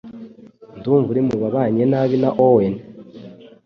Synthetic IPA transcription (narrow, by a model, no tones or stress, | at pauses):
nduːɱvuɾimuβaβaɲenaβinaʔowen